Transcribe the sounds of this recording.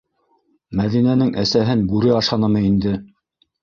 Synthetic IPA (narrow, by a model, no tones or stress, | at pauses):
mæðinænɘŋʔæsæɦɘnbʉɾɘɑʃɑnɤmɤind̪ɘ